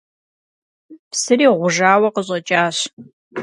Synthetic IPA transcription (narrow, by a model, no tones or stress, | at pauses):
psɨriːʁʷʊʒaːwɐqəɕʼɐt͡ʃʼaːɕ